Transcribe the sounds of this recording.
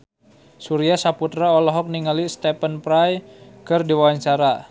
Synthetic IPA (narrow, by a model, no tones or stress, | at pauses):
suɾiasaput̪ɾaɔlɔɦɔk̚niŋalist̪ɛpənpɾajkɨrdiwawaɲt͡ʃaɾa